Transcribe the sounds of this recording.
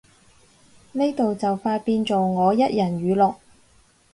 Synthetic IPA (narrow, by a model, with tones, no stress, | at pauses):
ne˥jt̪o˨wt͡sɐ˨wfaː˧tpiː˧nt͡so˨wŋɔː˨˧jɐ˥t̚jɐ˨˩nɥyː˨˧lɔː˨k̚